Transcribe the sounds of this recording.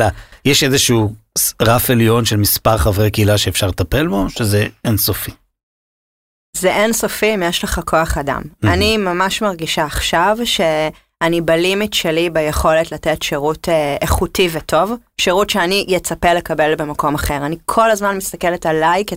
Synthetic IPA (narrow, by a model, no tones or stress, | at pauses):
lajɛʃezeʃuʁafeljo̞nʃelmispaʁχavʁekeilaʃeːfʃaʁltape̞lbo̞ʃezeensofi̥ | zeʔenso̞fiːmjeʃleχakʰoaχada̰manimamaʃmaʁɡiʃaːχʃavʃe̞ | anibalimitʃe̞libejeχo̞letlatetʃeʁutʰeeχutivetʰo̞vʃeʁutʃeanijet͡sapelekabe̞lbe̞mako̞maχe̞ʁanikʰo̞lazmanmist̪akeletalajke